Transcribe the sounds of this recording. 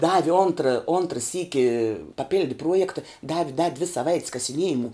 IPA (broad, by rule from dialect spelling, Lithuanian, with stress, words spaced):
ˈdɑːʋʲɪ ˈoːntrɐ ˈoːntrɐ ˈsʲiːkʲɪ pɐˈpʲɪlʲdʲɪ ˈpruɔjɛktɐ ˈdɑːʋʲɪ dɐ dʲʋʲɪ sɐˈʋɐɪtʲs kɐsʲɪˈnʲiɛjɪmʊ